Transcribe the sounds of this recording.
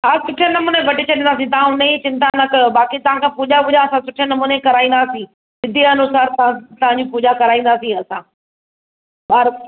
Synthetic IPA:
aːsʊʈʰijənɐmuːneʋɐʈit͡ɕʰɐɗĩnd̪aːs̬ĩt̪ɐʋãʊnɐit͡ɕɪ̃nt̪ãnɐkbaːkit̪ɐʋ̤ãkʰãːpuːʄabʊd͡ʒaɐsãsʊʈʰijənɐmuːnekɐɾaːĩːn̆d̪aːsĩ | sɪd̪ʱiɐnusaːɾt̪ɐãt̪ɐʋ̤ãɲd͡ʑipuːd͡ʑakɐɾaːĩnd̪aːsĩɐsãː | baːɾ

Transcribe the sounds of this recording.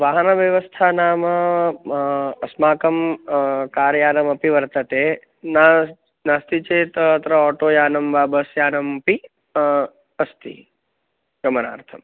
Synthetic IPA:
ʋaːɦnɐʋjɐʋəst̪ʰanaːmɐ | ɐsmaːkɐmkaːɾjaːnɐmɐpiʋɐɾt̪ɐt̪eː | na | naːst̪it͡ʃeːt̪ːt̪ɾɐɔːʈoːjaːnɐmʋaːbəsjaːnɐmpi | ɐst̪ḭ | ɡɐməna̰ːɾt̪ʰɐm

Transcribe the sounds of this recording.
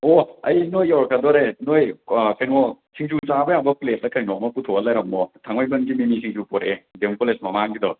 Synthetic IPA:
ɔɐjnojɔɾkʰɐdɔɾenojkʰajnɔ | sʰiŋzusabɐjaŋbɐplet̚lɐkʰɐjnɔmɐputʰoɐlɐjɾɐmːɔtʰaŋwɔjbɐnɡimimisʰiŋsupɔɾedemkolesmɐmaŋɡidɔ

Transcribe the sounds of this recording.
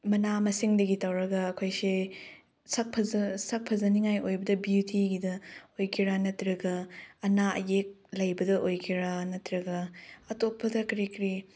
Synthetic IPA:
mɐnamɐsiŋdɐɡitawɾɐɡɐːkʰojse | sɐk̚pʰɐzɐsɐk̚pʰɐzɐniŋajojbɐdɐbjutʰiɡidɐojkʰiɾanɐtɾɐɡɐːnaɐ̰jek̚lɐjbɐdɐʔojkʰiɾanɐtɾɐɡɐɐtopʰːɐdɐkɐɾikɾi

